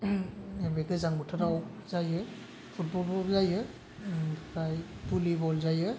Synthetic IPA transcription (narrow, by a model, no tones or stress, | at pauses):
emeɡɯzaŋbutʰɔɾawzajɯ | pʰut̚bɔlbɔzajɯ | bkʰajpulibɔlzajɯ